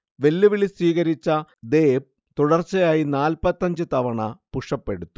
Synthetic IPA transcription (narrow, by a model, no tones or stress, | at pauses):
ʋe̞lːuʋilisʋiːɣɐɾit͡ɕːɐd̪e̞ːp̚ | t̪uɽɐrt͡ɕːɐjaːjinaːlpɐt̪ːɐɲd͡ʑɨt̪ɐʋɐɳɐpuʂɐpːe̞ɽut̪ːu̥